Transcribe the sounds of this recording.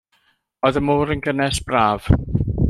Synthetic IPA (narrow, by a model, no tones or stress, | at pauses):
ɔɨðəmuːɾənɡənɛsb̥raːv̥